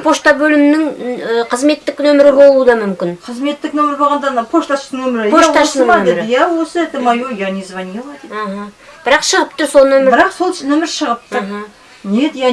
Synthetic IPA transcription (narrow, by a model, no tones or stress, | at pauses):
pʰo̞ʃt̪ɑbɵlɪmnɪŋəqʰəzme̞t̪ːɪknɵmɪɾɪbo̞lˠuəd̪ɑmʏmkʲɪnqʰəzme̞t̪ːɪk̚nɵmɪɾbɑʁɑnd̪ɑnpʰoʃt̪ɑʃt̪ɪŋnɵmɪɾɪoʃɑʃɑmeɾd̪əjæwosəet̪ɪmɑjojɑnezvɑnjelˠɑd̪eaɦa | b̥ɪɾɑqʃəʁəp̚t̪ʊɾsonnɵmɪɾbɪɾɑqsot̪ɪ̥st̪ɪnɵmɪɾʃəʁəp̚t̪əɦa | ned̪jæ